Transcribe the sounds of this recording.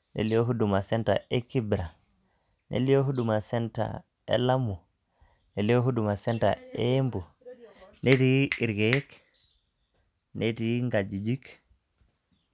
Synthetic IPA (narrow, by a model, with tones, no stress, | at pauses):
nḛ˨li˦jo˦ɦu˦du˨ma˨sɛnta̰eki˦bɾa˨ | nʔḛ˨li˦jo˦ɦuduma˨sɛ˦nta̰ | ḛ˨lamu˨ | ne˨lijo˦ɦu˦duma˨sɛnta̰e˦mbu˨ | nʔe˦tii˨ɾɡe˦k | nʔeti˨˦ŋɡad͡ʒi˨d͡ʒi˦k